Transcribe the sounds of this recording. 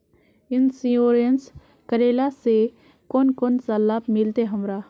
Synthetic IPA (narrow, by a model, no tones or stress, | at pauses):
ɪnsĩoːɾijəns | kəɾeːlase | koːnkoːnsalːaːpmɪlt̪eɦəmɾaː